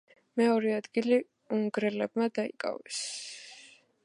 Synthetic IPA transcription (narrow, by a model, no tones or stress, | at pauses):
mɛɔɾiad̪ɡili | uŋɡɾɛlɛbmad̪aḭkʼa̰vɛs